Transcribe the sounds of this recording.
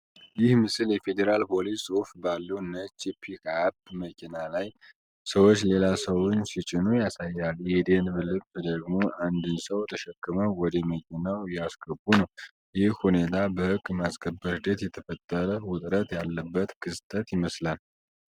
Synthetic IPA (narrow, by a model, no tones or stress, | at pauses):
jɪhmɨsɨljɛfe̞d̪eɾalpʰo̞lissʼufbalːəwnət͡ʃipʰikabməkʰinalaj | səwot͡ʃːle̞lasəwʊnsit͡ʃʼɪnujasajːaljɛd̪e̞nbɨlɨmd̪əɡmo̞ʔand̪ɨnsəwt̪ʰəʃɛkʼːɨməwɔd̪ɛməkʰinawjasɡəbːunəw | jɪhhune̞t̪ʰabəhɨɡʼːmasɡʰəbːəɾd̪et̪jɛt̪ʰəfət̪ʼːəɾəwʊt̪ʼɾət̪jalːəbːət̪kʰɨst̪ʼət̪jɪməslal